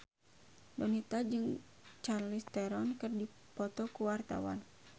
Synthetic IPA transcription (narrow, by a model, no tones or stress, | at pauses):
dɔnit̪ad͡ʒɨŋ | t͡ʃarlist̪ɛɾɔnkɨrdi | pɔt̪ɔkuwart̪a̰wa̰n